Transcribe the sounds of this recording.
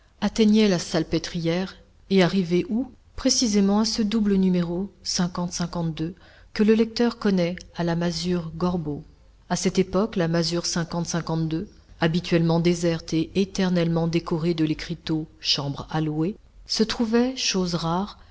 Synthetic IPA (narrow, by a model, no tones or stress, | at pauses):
at̪ɛɲɛlasalpet̪χijɛʁ | eaʁiveʔu | pχesizemɑ̃asəd̪ublənymeʁosɛ̃kɑ̃t̪sɛ̃kɑ̃t̪̚d̪ø | kələlɛk̚t̪œʁkɔnɛalamazyʁɡɔʁbo | asɛt̪epɔklamazyʁsɛ̃kɑ̃t̪sɛ̃kɑ̃t̪̚d̪ø | abit̪ɥɛlmɑ̃d̪ezɛʁt̪eːt̪ɛʁnɛlmɑ̃d̪ekɔʁed̪əlekχit̪oʃɑ̃bʁalwe | sət̪χuvɛʃozʁaʁ